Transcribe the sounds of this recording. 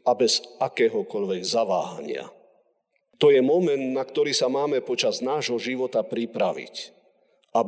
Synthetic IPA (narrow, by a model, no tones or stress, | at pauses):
abɛzakɛːɦɔkɔʎʋɛɡzaʋa̰ːɦa̰ɲɪa̰ | t̪ɔjɛmɔmɛnd̪nakt̪ɔɾiːsamaːmɛpɔt͡ʃaznaːʒɦɔʒiʋɔt̪apɾipɾaʋḭc | a